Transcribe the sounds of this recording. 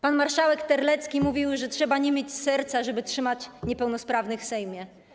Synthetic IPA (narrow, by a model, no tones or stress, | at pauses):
panmaɾʂawɛkt̪ɛɾlɛt̪skʲimuvʲiwʐɛtʂɛbaɲɛmʲjet͡ɕsɛɾt̪saʐɛbɘtʂɘmat͡ɕɲɛpɛwnɔspɾavnɘfsɛjmʲjɛ